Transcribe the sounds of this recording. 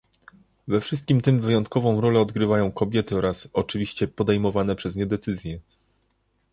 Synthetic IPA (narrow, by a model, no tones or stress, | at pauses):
vɛfʂɘst̪̚kʲimt̪ɘmvɘjɔnt̪̚kɔvɔ̃w̃ɾɔlɛɔd̪ɡɾɘvajɔ̃w̃kɔbʲjɛt̪ɘɔɾasɔt͡ʂɘvʲiɕt͡ɕɛpɔd̪ɛjmɔvanɛpʂɛzɲɛd̪ɛt̪sɘzʲjɛ